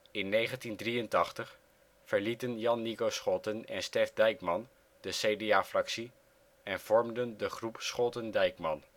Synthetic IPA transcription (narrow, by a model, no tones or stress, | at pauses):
ɪnːejχəntindriəntɑχtəχ | fəɹlitənjɑnːikowsχɔtənɛ̰nstɛfdɛjkmɑn | d̥əsejdeaːfrɑksi | ɛnv̥ɔɹmdəndəχrupsχɔtəndɛjkmɑn